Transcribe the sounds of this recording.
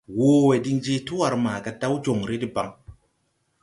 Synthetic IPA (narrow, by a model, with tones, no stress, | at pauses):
woː˨˦we˨di˦ŋd͡ʒe˦tu˦wa˨ɾmaː˨ka˦da˦wd͡ʒo˨ŋɾe˦di˦ba˨ŋ